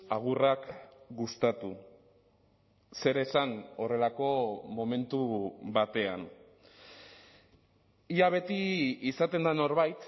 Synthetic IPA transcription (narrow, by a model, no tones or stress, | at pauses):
aɣ̞urakɡust̪at̪u | se̞ɾe̞sano̞re̞lako̞mo̞me̞nt̪uβat̪e̞a̰n | iaβ̞e̞t̪iisat̪e̞nd̪ano̞ɾβajt̪